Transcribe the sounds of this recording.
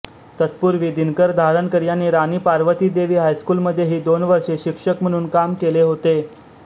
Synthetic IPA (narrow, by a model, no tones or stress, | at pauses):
t̪ət̪̚puɾʋiːd̪ʱinkəɾd̪ʱaɾəɳkəɾjanːiːɾaniːpaɾʋət̪iːd̪eʋiːɦajskuːlməd̪ʱːjeɦiːd̪onʋəɾʂeɕikʂəkm̤əɽ̃uːnkamkeleɦot̪e